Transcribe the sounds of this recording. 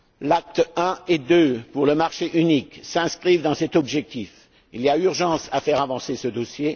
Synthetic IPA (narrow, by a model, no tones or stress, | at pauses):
lak̚t̪ɛ̃ed̪øpuʁləmaʁʃeʔyniksɛ̃skχivd̪ɑ̃sɛt̪ɔbʒɛk̚t̪if | iliayʁʒɑ̃safɛʁavɑ̃sesəd̪osje